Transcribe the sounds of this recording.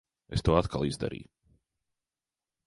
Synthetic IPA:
ɛst̪oːat̪kʰalˠizd̪a̰ɾḭː

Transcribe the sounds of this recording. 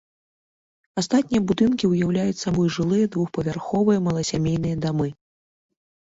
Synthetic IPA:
ast̪at̪ʲnʲijɐbud̪ɨnkʲiwjawlʲajut͡sʲsabɔjʐɨlˠɨjɐd̪vuxpɐvʲarxɔvɨjɐmɐlˠɐsʲamʲejnɨjɐd̪amɨ

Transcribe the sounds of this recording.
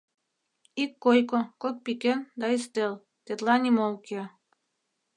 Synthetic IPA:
ikːojkokok̚pikend̪ɑist̪el | t̪et̪lɑnʲimolke

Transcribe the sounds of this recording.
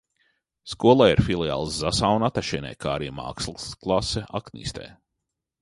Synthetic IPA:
skuɔlˠaːiɾfilˠia̰ːlˠszasawnat̪aʃɛnʲɛ̰jkaːɾḭma̰ːkslˠsklˠasɛʔaknʲḭːst̪ɛ̰ː

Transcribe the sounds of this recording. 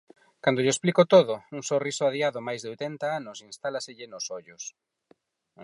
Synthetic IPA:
kand̪oʎesplikot̪oðʊuŋsorisoaðiaðomajzðeojt̪ɛnt̪aanʊsinst̪alaseʎɪnosoʎʊs

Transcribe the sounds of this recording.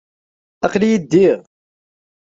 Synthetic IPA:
æqljid̪ːiʁ

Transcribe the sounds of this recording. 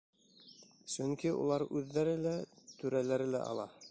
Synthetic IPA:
sɵŋkiṵlˠɑɾʉðːæɾɘlæt̪ʉɾælæɾɘlæ̰ʔɑ̰lˠɑ

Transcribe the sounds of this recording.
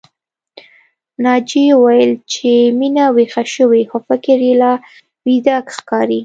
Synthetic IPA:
nɑd͡ʒewajəlt͡ʃeminawexaʃəwexofɪkɪɾelɑ | wid̪akxkɑɾi

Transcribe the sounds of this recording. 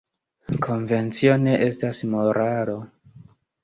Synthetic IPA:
kʰo̞nve̞nt͡sio̞ne̞ʔe̞stasmo̞ɾʔalo̞

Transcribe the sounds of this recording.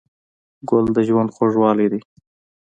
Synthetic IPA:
ɡʊld̪əʒwand̪xoʐwɑled̪i

